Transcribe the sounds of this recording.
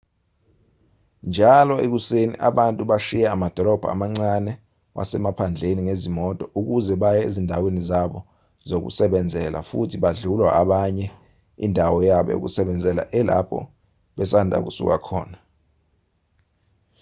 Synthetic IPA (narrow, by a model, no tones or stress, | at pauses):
nd͡ʒʱalɔek̬usenḭʔaɓantʼuɓaʃijaamad̥ʱɔlɔb̥ʱa̰a̰maŋ͡ǀanɛ | wʔa̰sɛmapʰand͡ɮʱeniŋezimɔtʼɔʔuk̬uzɛɓajɛḛzindʱawenizaɓɔ | zok̬ṵsɛɓɛnd͡zʱɛla̰fṵtʰiɓaɮulwaʔaɓaɲɛ | ḭndʱawɔjaɓɔ̰jo̰k̬usɛɓɛnd͡zʱɛla̰ʔɛla̰pʰɔ̰ | ɓɛs̬andʱa̰k̬usṵk̬a̰kʰɔ̰ːna